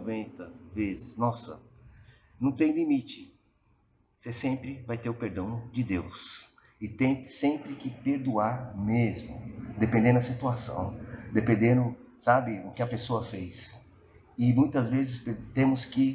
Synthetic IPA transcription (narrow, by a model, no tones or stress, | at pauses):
vẽnt̪ɐvezɪsnɔsɐ̰ | nɐ̃w̃t̪ẽj̃limit͡ʃɪ | sesẽmpɾɪvajt̪eɾʊpeɾd̪ɐ̃w̃d͡ʒɪd̪ews | ɪt̪ẽj̃sẽmpɾɪkɪpeɾd̪uaɾmezmʊ̰d̪epẽnd̪ẽd̪ʊɐsit̪uasɐ̰̃w̃d̪epẽnd̪ẽd̪ʊsabɪʊkɪɐpesoɐfejs | ɪmũj̃t̪ɐzvezɪspt̪ẽmʊskɪ